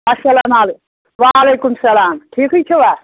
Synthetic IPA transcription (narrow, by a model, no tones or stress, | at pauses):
ɐsːɐlaːmaːle | ʋaːɐleːkumsɐlaːmʈʰiːkut͡ʃʰuʋaː